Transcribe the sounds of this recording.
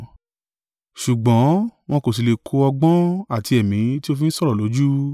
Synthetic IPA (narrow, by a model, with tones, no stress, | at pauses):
ʃu˨ɡ͡bɔ̃˨˦w̃ɔ̃˧ko˨s̬i˨˧le˨kʰo˧ɔ˧ɡ͡bɔ̃˦a˦˨ti˧ɛ˨mĩ˨˦ti˦o˧fĩ˦n̩˦sɔ˦ɾɔ˦˨lo˨˦d͡ʒu˦